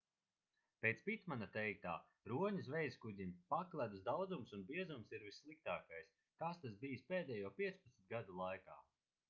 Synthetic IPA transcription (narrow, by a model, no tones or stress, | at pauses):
pet̪spʲit̪manat̪ɛjk̚t̪a̰ː | ɾuɔɲusvɛjskud̪ʲimpaklʲˠæd̪uzd̪awd̪zumsunbiɛzumsiɾvisːlˠik̚t̪aːkajs | kaːst̪as̬bijispeːd̪ɛːjuɔpiɛt̪spɐt̪smʲit̪̚ɡad̪ulˠajka̰ː